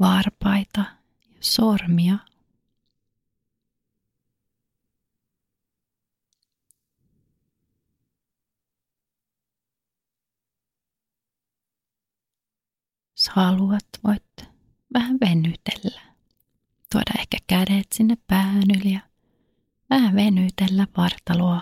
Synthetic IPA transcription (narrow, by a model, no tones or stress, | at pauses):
ʋɑrpɑit̪ɑ | jɑsormiɑ | shɑluɑt̪ʋo̰it̪ | ʋæhæʋʋenyt̪e̥lːæ̥ | t̪uo̰dɑ̰ehkæ̥kædet̪sinːeppæːnyljɑ | ʋæhæʋenyt̪elːæʋʋɑrt̪ɑluɑ